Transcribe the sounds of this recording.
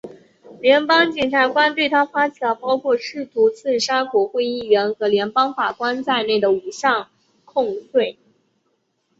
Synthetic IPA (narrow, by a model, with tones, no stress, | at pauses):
ljɛ˧˥npɑ˥ŋt͡ɕjɛ˨˩nʈ͡ʂʰa˧˥kwa˥nt̪we˥˩ɪt̪ʰa˥fa˥t͡ɕʰi˨˩lə˧˥pɑ˥ʊkʰwɔ˥˧ʂɻ̩˥˩t̪ʰu˧˥t͡sʰɹ̩˥˩ʂa˥kwɔ˨˩xwe˥˧ɪi˥˩ɥɛ˧˥nxɤ˧˥ljɛ˧˥npɑ˥ŋfa˨˩kwa˥nt͡sa˥˧ɪne˥˩ɪd̪ə˩u˨˩ɕjɑ˥˧ŋ | kʰʊ˥˧ŋtwe˥˩ɪ